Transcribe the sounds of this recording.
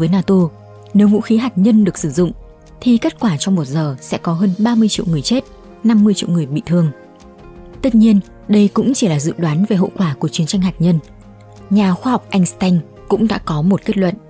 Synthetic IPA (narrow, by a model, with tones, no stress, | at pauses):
vəː˨˦jnaː˧t̪o˧ | ne˨˦wvṵ˧˥xi˨˦ɦaː˨˩t̚ɲə˧nɗɨ˨˩ək̚sɨ˧˩zʊ̰˧˨ŋ͡m | t̪ʰi˨˩ke˦˥t̚kwaː˧˩t͡ɕɔ˧wŋ͡mmo˨˩t̚zəː˨˩sɛ̰˧˥kɔ˨˦ɦəː˧nɓaː˧mɨ˧əjt͡ɕḭ˧˨wŋɨ˨˩əjt͡ɕe˦˥t̚ | na˧mːɨ˧əjt͡ɕḭ˧˨wŋ͡mŋɨ˨˩əjɓḭ˧˨t̪ʰɨ˧əŋ | t̪ə˦˥t̚ɲi˧ən | ɗə˧jkʊ̰˧˥ŋ͡mt͡ɕi˧˩laː˨˩zɨ̰˧˨ɗwaː˨˦nve˨˩ɦo̰˧˨kwaː˧˩ku˧˩ət͡ɕi˨˦ənt͡ɕa˧ŋ̟ɦaː˨˩t̚ɲə˧n | ɲaː˨˩xwaː˧ha˨˩wk͡p̚ʔa˧jŋ̟st̪a˧jŋ | kʊ̰˧˥ŋ͡mɗa̰ː˧˥kɔ˨˦mo˨˩t̚ke˦˥t̚lwə̰˧˨nʔ